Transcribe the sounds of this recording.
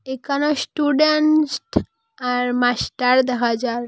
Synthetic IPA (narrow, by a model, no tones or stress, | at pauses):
ekanɔsʈuɖenʈ | aɾmasʈaɾd̪aɦad͡ʒaɾ